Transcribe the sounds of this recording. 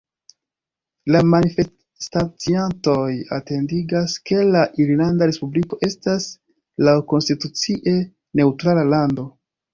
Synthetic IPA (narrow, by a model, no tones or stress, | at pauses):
lamanife | stat͡sianto̞jate̞ndiɡaske̞laʔiɾinandaɾe̞spubliko̞ʔe̞stas | lawko̞nstitut͡siʔe̞ | ne̞utɾalalando̞